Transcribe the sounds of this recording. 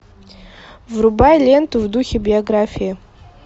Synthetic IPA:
vrubajlʲent̪uvd̪uxʲebʲɪoɡrafʲijɪ

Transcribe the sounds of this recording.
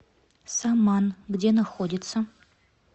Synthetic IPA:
samːanɡdʲenɐxodʲɪt̪sɐ

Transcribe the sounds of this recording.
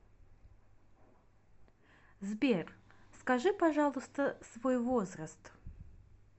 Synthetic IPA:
zbʲerskɐʐɨpɐʐalˠʊst̪əsvojvozrəst̪

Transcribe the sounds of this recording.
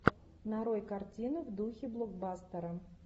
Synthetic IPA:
naɾojkart͡sʲinɨvd̪uxʲiblˠɔɡ̚bast̪ɐɾɐ

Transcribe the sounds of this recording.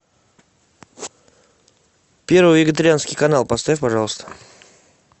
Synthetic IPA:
pʲe̞ɾvɨjvʲɪɡʲɪt̪əɾʲɪanskʲɪjkɐnalˠpɐst̪apɐʐɑlˠəst̪ə̥

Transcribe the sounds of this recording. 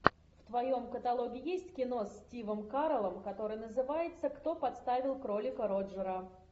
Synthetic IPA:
ft̪vɐjo̞mkət̪ɐlˠo̞ɡʲɪjesʲtʲkʲɪno̞sʲtʲivəmkaɾəlˠəmkɐt̪o̞ɾɨjnəzɨvajɪt̪səkt̪o̞pɐt̪st̪avʲɪlˠkɾo̞lʲɪkəɾo̞ʐəɾə

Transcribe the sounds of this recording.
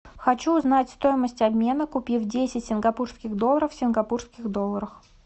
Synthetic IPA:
xɐt͡ɕuːznatʲst̪o̞jɪməsʲtʲɐbʲmʲe̞nəkʊpʲivdʲesʲɪtʲsʲɪnɡɐpurskʲɪɣd̪olˠːəɾəfsʲɪnɡɐpurskʲɪɣd̪o̞lˠːəɾəx

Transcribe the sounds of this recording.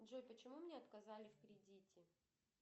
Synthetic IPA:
dʐojpət͡ɕɪmumnʲeɐt̪kɐzalʲɪfkɾʲɪdʲitʲɪ

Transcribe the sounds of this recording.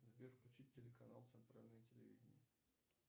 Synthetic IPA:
zʲbʲefklʲʉt͡ɕit̚ʲːɪlʲɪkɐnalˠt̪sɨnt̪ɾalʲnəjətʲɪlʲɪvʲḭdʲɪnʲɪjɪ

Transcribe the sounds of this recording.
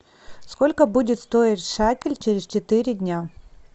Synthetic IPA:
sko̞lʲkəbudʲɪt̪st̪o̞ɪtʲʂakʲɪlʲt͡ɕeɾʲɪzt͡ɕɪt̪ɨɾʲɪdʲnʲa

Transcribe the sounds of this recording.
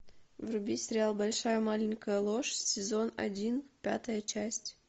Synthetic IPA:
vrʊbʲisʲɾʲɪalˠbɐlʲʂajəmalʲɪnʲkəjəlˠoʂsʲɪzo̞nɐ̰dʲinpʲa̰t̪əjət͡ʃæsʲtʲ

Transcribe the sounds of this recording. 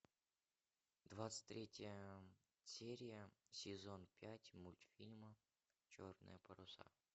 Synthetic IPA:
d̪vat̪sɨ̥tʲt̪ʲɾʲetʲɪjə | sʲeɾʲɪjəsʲɪzonpʲætʲmulʲt̪fʲilʲmə | t͡ɕornɨ̰jəpəɾʊsa̰

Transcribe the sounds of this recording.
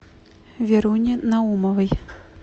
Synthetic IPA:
vʲɛɾunʲinaumɐvɨj

